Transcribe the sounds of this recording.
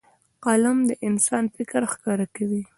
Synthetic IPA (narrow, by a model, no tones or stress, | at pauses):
qɑlamd̪əʔɪnsɑnfɪkɾxkɑɾakawi